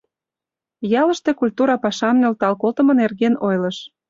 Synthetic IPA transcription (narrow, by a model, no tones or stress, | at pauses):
jɑlə̆ʃt̪e̽kulʲt̪uɾɑpɑʃɑnːølt̪ɑlkolt̪ə̆mɤ̆nerɣenojlɤ̆ʃ